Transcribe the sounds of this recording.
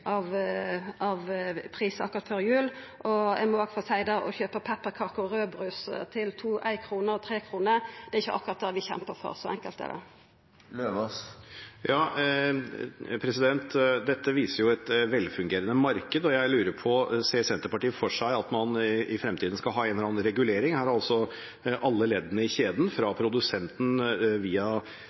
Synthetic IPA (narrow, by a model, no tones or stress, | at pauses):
ʔɑʋ | ɑʋpʰʁiːsəɑkːʊɾɑt̪fɔɾjʉːl | ʔɔɛmɔɑːɡfɔsæɪd̪ɑɔ̰çøːpəpʰɛpːəʁkʰɑːkəɔɾøːbɾʉːst̪ʰɪlt̪ʰuːʔæɪkʰɾuːnəɾɔt̪ʰɾeːkʰɾuːnəd̪̥ɛɾɪçːəʔɑ̰kːʊɾʁɑt̪̚d̪ɛʋɪçɛ̰mpəɾfɔ̰ɾsɔɛŋkəlt̪æ̰d̪ɛ̰ | løːʋɔsjɑː | pʰɾɛsɪd̪ɛnt̪d̪ɛt̪ːəʋiːsəɾjʊɛt̪ʋɛlfʉŋɡeːɾənəmɑɾkəd̪ɔjæɪlʉːɾəɾpʰɔseːsɛnt̪əɾpɑʈiːəfɔʂæɪɑt̪mɑnɪfɾɛmt̪ʰiːd̪n̩skɑlɦɑːæɪnɾɑːnɾɛɡʉleːɾɪŋhæːɾɑlsɔ | ʔɑlːəleːd̪ənəɪçeːd̪nfɾɑpʰɾʊd̪ʉsɛnt̪n̩ʋiːɑ